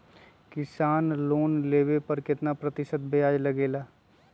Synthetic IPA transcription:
kɪsaːnloːnleːwepɐɾkɪt̪napɾɐt̪ɪʃət̪̚bʱejaːd͡ʒlɐɡeːlaː

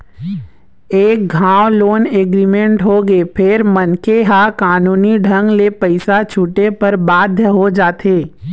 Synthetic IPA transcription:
eːk̚ɡʱãːwloːneːɡɾiːmẽɳʈɦoɡeːpʰɪɾmɐnkeɦakaːnuːniɖʱɐ̃ŋɡlepəɪsat͡ʃʰuʈepɐɾbaːd̪ʱjəɦod͡ʒaːt̪ʰeː

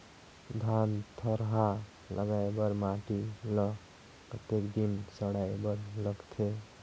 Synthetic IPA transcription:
d̪ʱant̪ʰəɾɦa | lʔə̰ɡaebəɾmaʈilɔ | pɾət̪ekd̪insəɽaebəɾləɡt̪ʰe

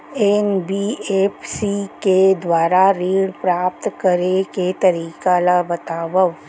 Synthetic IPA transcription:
eːnbieːpʰsiked̪waːɾaɾiːɽpɾaːp̚t̪kɐɾeket̪ɐɾiːkalabɐt̪aːʋəw

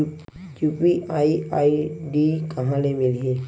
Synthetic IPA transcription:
jupiajaiɖikaɦãnemiliɦe

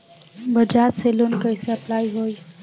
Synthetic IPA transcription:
bəd͡ʒat̪selonkəjseəplajɦoj

